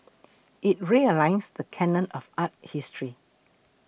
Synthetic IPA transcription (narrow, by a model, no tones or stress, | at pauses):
ʔit̚ɹiəlãɪsdəkʰɛnə̃nɔfat̚histɹi